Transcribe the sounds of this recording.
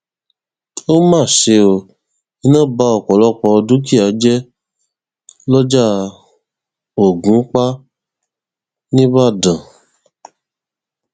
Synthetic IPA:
o˦mãː˦˨ʃe˧o˧ | i˨˦nã˦˨ba˦ɔ˨kɔ˨lɔ˦˨k͡pɔ˧ɔ˧du˨˦ki˦˨a˨˦d͡ʒɛ˦ | lɔ˦d͡ʒa˦ | o˨ɡũ˨˦k͡pa˦ | nĩ˦βa˦˨dã˨

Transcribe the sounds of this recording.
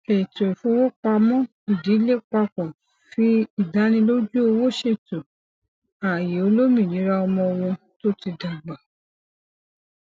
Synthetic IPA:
e˨to˨fũ˦wo˦k͡pa˧mɔ̃˦ | i˨di˨˦le˦˨k͡pa˧kɔ̃˨ | fi˦i˦˨da˨˦nĩ˧˦lo˦d͡ʒu˦o˧wo˦ʃe˦˨to˨ | a˨je˨o˧lo˦mĩ˦˨nĩ˨˦ɾa˧ɔ˧mɔ̃˧w̃ɔ̃˧ | to˦ti˧da˨ɡ͡ba˨

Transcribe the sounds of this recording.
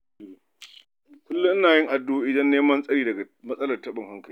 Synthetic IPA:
kʷʊ˦lːʊ˦ʔnaː˨jɪ˦ŋʔa˨dːoː˦ʔɪ˨dɐ˦nːeː˦mɐ˦nsʼɐ˦ɽiː˦dɐ˨ɡa˨mɐ˦sʼɐ˦lɐ˨rtɐ˦ɓɪ˨ŋɦa˦ŋkɐ˨i˦

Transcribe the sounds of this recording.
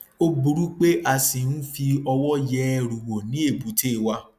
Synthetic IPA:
o˦bu˧ɾu˦k͡pe˦ʔa˧sĩ˨nũ˦fi˧ɔ˧wɔ˦jɛ˦ɾu˨wo˨nĩ˨˦e˦˨bu˨˦te˦˨wa˧˦

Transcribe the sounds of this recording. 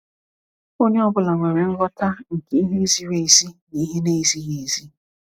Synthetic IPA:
o˦ɲe˦ɔ˦bʊ˦la˨ŋʷe˨ɾe˨ŋ̩˦ɡɔ˦ta˦ŋ̩˨ke˨˦i˦ɦe˦zi˦ɾe˦i˨si˦ni˨i˦ɦe˦ne˦i˨zi˦ɣe˨zi˦

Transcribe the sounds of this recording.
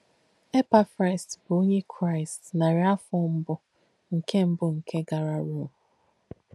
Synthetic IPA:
e˦pa˨fɾa˨ɪ˨stbʊ˨o˦ɲe˦kʰɾa˦ɪ˨stna˨ɾe˨a˦fɔ˦m̩˦bʊ˦ | ŋ̩˨kʰe˦m̩˦bʊ˨ŋ̩˨kʰe˦ɡa˨ɾa˨ɾu˦˨

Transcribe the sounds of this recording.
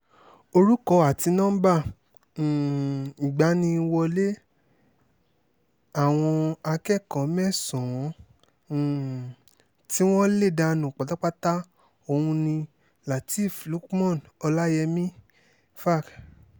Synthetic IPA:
o˧ɾu˦kɔ˧a˨ti˧nɔ̃˦bã˦˨ | i˨ɡ͡ba˨˦nĩ˧wɔ˧le˦ | a˦˨w̃ɔ̃˧a˧kɛ˦˨kɔ̃˨˦mɛ˦˨sɔ̃˨wɔ̃˨˦˨ | ti˦w̃ɔ̃˦le˦˨da˧nũ˨k͡pa˨ta˦k͡pa˦ta˦ | o˧hũ˧nĩ˧ | la˨ti˦˨flu˨˦kmɔ̃˦˨nɔ˧la˦jɛ˧mĩ˦ | fa˦˨k

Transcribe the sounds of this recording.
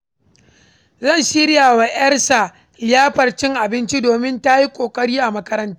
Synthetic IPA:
zɐ˦˨nʃi˦ɾɪ˦jaː˨wa˨ʔɐ˦rsa˨ | lɪ˦jaː˦ɸɐ˨rt͡ʃɪ˦ŋʔa˨bɪ˦nt͡ʃi˦doː˨mɪ˦nta˦ji˦kʷʼoː˨kʼɐ˦ɽiː˦ʔa˨mɐ˦kɐ˦ɾɐ˦ntaː˦

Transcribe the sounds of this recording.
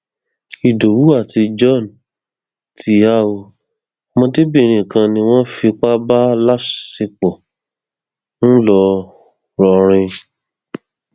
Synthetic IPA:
i˨do˨wu˨˦a˦˨ti˧d͡ʒɔ˦˨n | ti˨˧a˦˨wo˧ | mɔ̃˧de˦bĩ˦˧˨ɾ̃ĩ˨kã˧nĩ˧w̃ɔ̃˦fi˧k͡pa˦ba˦la˦ʃe˧k͡pɔ˨ | n̩˦lɔ˧ | ɾɔ˧ɾ̃ĩ˧

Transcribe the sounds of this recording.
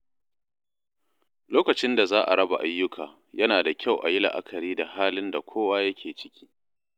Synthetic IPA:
loː˦kɐ˨t͡ʃɪ˦nda˨zaː˦ʔa̰˨ɽɐ˦ba̰˨ʔa˦jːʊ˦kʰaː˨ | jɐ˦naː˨da˨kʲʰa˦˨wʔa̰˨jɪ˦la̰˨ʔa̰˦kʰɐ˨ɾiː˦da˨haː˦lɪ˦nda˨kʷʰoː˦wa˦jɐ˦kʲʰeː˨t͡ʃɪ̥˦kʲi̥ː˦

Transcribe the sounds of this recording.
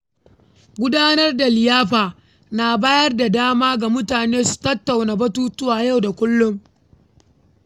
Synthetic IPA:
ɡʷʊ˦daː˦nɐ˦rda˨lɪ˨jaː˦ɸaː˨ | na˨baː˦jɐ˦rda˨daː˦maː˦ɡa˨mʊ˦taː˨neː˦su̥˨tɐ˦tːa˨wnaː˨bɐ˦tuː˦tʊ˦waː˨ja˦˨wda˨kʷʊ˦lːʊ˦ŋ

